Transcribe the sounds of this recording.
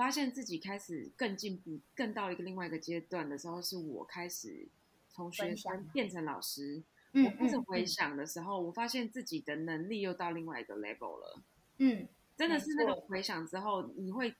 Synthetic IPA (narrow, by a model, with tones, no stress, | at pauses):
fa˥ɕjɛ˥˧nt͡sɹ̩˥˩t͡ɕi˨˩kʰa˥ɪʂɻ̩˨˩kə˥˧nt͡ɕi˥˧npu˥˩kə˥˧nt̪ɑ˥˩ʊi˧ɡə˨li˥˧ŋwa˥˩ɪi˧ɡə˩t͡ɕjɛ˥t̪wa˥˩nd̪ə˩ʂɻ̩˧˥xo˥˧ʊʂɻ̩˥˩wɔ̰˨˩kʰa˥ɪʂɻ̩̰˨˩ | t͡sʰo˧˦˥ŋɕɥɛ˧˥fə˦npjɛ˥˩nʈ͡ʂʰə˧˥ŋlɑ̰˨˩ʊʂɻ̩˥ | wɔ˨˩pu˥˩t͡sə˨˩xwe˧˥ɪɕjɑ˨˩ŋd̪ə˩ʂɻ̩˧˥xo˥˩ʊwɔ˨˩fa˥ɕjɛ˥˧nt͡sɹ̩˥˩t͡ɕi˨˩d̪ə˩nə˧˥ŋli˥˧jo˥˧ʊt̪ɑ˥˧ʊli˥˧ŋwa˥˩ɪi˧˦ɡə̰˨lḛ˧˩bə̰˨˩ʊlə̰˩˥˩ | ʈ͡ʂə˦nd̪ə˨ʂɻ̩˥˧na˥˩ʈ͡ʂo˨˩ŋxwe˧˥ɪɕjɑ˨˩ŋʈ͡ʂɻ̩˦˥xo˥˩ʊni˨˩xwe˥˩ɪ